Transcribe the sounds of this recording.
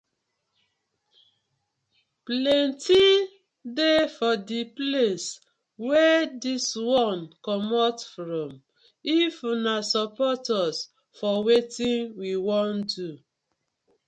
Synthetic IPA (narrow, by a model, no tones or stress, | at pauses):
plɛ̃nti | defɔdiples | wɛdiswɔ̃nkɔmɔtfɹɔ̃m | ifunasɔpɔtɔs | fɔwetĩnwiwɔ̃ndu